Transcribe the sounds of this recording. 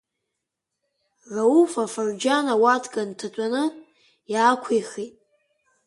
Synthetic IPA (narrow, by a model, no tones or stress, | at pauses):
raufafard͡ʒanawatʰkʼantʰat͡ʃʷʼanɨ | jaːkʷʰijχitʼ